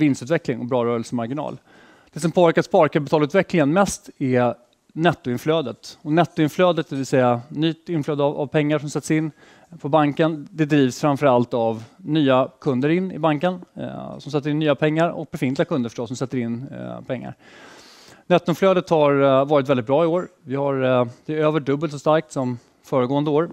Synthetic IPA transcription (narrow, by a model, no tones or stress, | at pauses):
vɪnst̪ʉ̟t̪vɛklɪŋɔbɾɑːɾœːɾəlsəmaɾɡɪnɑ̰ːl | d̪̥ɛs̬ɔmpʰoːvæɾkat̪spɑɾkʰapɪt̪ʰɑːlʉ̟ːt̪vɛklɪŋənmɛst̪ɛ | nɛt̪ːʊɪnfløːd̪ət̪ɔnɛt̪ːʊɪnfløːd̪ət̪̚d̪ɛvɪlsɛjanyːt̪ɪnfløːd̪ava̰vpʰɛŋːaʂɔmsɛt̪ːsɪnː | pʰɔbaŋkənd̪ɛd̪ɾiːvsfɾamfəɾalt̪avnyːakʰɵnd̪əɾɪnːɪ̰baŋkənsɔmsɛt̪ːɾɪnːyːapʰɛŋːaɾɔ̰k̚b̥ɛfɪnt̪lɡakʰɵnd̪əfœ̥ʂʈɔsːɔmsɛt̪ːəɾɪnːpʰɛŋːa̰ɾ | nɛt̪ːʊɪnfløːd̪ət̪haɾvɑːɾɪt̪vɛlɪt̪bɾɑːɪoːɾvɪhaɾd̪̥ɛøːvəɖɵbːəlt̪ɔst̪aɾk̚t̪sɔm | fœːɾəɡoːənd̪əoːɾ